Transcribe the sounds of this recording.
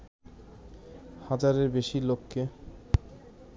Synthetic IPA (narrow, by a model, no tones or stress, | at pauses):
had͡ʑaɾeɾbeʃilokʰːe